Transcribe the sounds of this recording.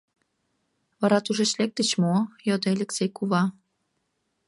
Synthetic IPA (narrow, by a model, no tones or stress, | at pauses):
βɑɾɑt̪uʒĕt͡ɕlek̚t̪ət͡ɕmojod̪ealʲeksʲejkuβɑ